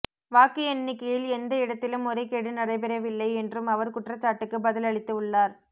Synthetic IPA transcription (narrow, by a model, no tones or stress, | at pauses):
ʋaːkɪɛɳːɪkːɐjɪlɛnd̪ɐɪɽɐt̪ːɪlɯmɔɾɐɪkːeɽɯnɐrɐɪpɛɾɐʋɪlːɐɪɛndrɯmɐʋɐɾkʊʈrɐt͡ʃːaːʈːɯkːɯbɐðɪlɐɭɪt̪ːɯɯɭːaːɾ